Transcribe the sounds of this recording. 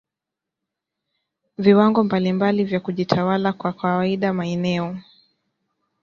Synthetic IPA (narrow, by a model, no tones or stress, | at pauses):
viwaŋɡɔmbalimbalivjakuʄitʰawalakwakawaiɗamaɛnɛɔ